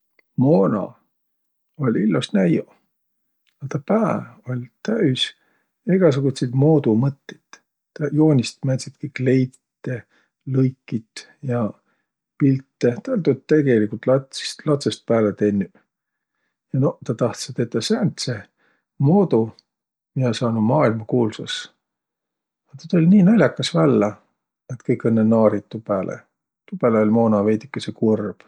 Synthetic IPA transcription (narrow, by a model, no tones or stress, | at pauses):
moːnɑ̰ | o̞lʲilːusnæjo | ɑt̪ɑpæːo̞lʲt̪æys | eɡ̥ɑs̬uɡ̥ut̪set̪mo̞ːd̪umɤt̪ːet̪ | t̪ːɑjo̞ːnʲist̪mænt̪sit̪kikle̞jt̪it̪ːe | lɤjkːit̪ | jɑ | pilt̪ːet̪lʲt̪ut̪t̪ːe̞ɡ̥elikult̪ˑlɑt̪si̥st̪lɑt̪sest̪̚pæːlet̪enʲːy | jɑno̞t̪ɑt̪ɑht̪sɑt̪et̪ːˑɑsænt̪se | moːd̪u | miɑsɑːnumɑːilmɑkuːlsɑs | ɑt̪ɑt̪ulʲnʲiːnɑlʲjɑkːˑɑsvælːɑ | et̪kɤjkːenːenɑːɾit̪ːˑupæːlʔḛ | t̪upæːleo̞lʲmo̞ːnɑvejt̪ikːˑɑsekurb̥